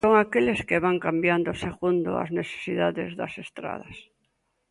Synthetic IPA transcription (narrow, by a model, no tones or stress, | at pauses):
oŋakeleskeβaŋkambjand̪oseɣund̪o̰a̰zneθe̥siðaðḛzðɐ̰sest̪ɾa̰ð̞ɐs